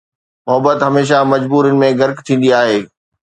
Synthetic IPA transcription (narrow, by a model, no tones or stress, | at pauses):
mʊɦəbət̪ɦɐmeːʃ̬amɐd͡ʑbuːɾjənɪ̆mẽɡɐɾkt̪ʰĩːn̆d̪iaːɦeː